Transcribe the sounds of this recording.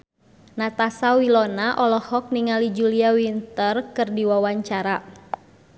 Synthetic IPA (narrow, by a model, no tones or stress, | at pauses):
nat̪asawilɔnaʔɔlɔhɔk̚niŋalid͡ʒuliawint̪ərkɨrdiwawaɲt͡ʃaɾa